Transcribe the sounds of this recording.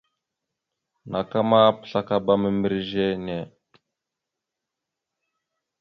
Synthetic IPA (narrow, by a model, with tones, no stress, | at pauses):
nʔa˨ka˦ma˦pə̥˨ɬa˦ka˦ba˦mə˨mi˦ɾʒe˦ne˨